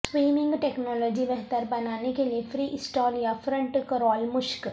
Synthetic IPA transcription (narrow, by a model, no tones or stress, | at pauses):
sʋiːmɪ̃ŋɡʈeːknɔːlɔːd͡ʒibɛɦt̪əɾbɐnaːnekeliefʰɾiːʔɪsʈɔːljafɾə̃ɳʈkɾɔːlmʊʃk